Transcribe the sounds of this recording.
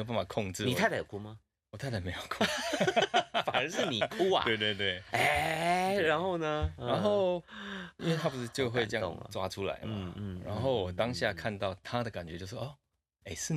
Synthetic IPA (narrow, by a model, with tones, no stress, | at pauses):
o˧p̬a˥˩nma˨˩kʰɔ˥˧ŋʈ͡ʂɻ̩˥˨ni˨t̪ʰa˥˩t̪a˥˩˨kʰu˥˩ma˨ | wɔ˨˩a˥ɪt̪ʰa˥˩me˧˥ɪjo˨˩ʊkʰo˥ | fa˨˩nə˧˥ʂɻ̩˥˩ni˨˩kʰu˥˧˥ɐ̰˧we˥˧ɪt̪we˥˧ɪt̪we˥˩ɪe˧ɻa˧˦nxo˥˧ʊnə˩a˧˦nxo˥˨ʊi˥nwe˥˩t̪ʰa˥˩pu˧˦ʂɻ̩˥˧t͡ɕjo˥˧ʊxwe˥˧ɪʈ͡ʂə˥˧jɑ̰˧ŋ̰ʈ͡ʂwa̰˦ʈ͡ʂʰu˦la̰˧˦ɪm̩˨˩˥ɻa̰˧˦˥nxo˥˩ʊwɔ˨˩t̪ɑ˦ŋɕja˥˧kʰa˥˧nt̪ɑ˥˩ʊt̪ʰa˦d̪ə˨ka˨˩nt͡ɕɥɛ˧˦t͡ɕjʂwo˥˩ | e˥˩ɪʂɻ̩˥˨